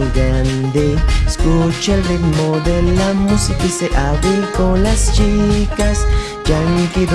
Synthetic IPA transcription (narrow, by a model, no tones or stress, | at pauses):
lɡɾand̪eskut͡ʃelrikmod̪elamusikiseʔaβilkõlast͡ʃikas | d͡ʒaŋkiɾ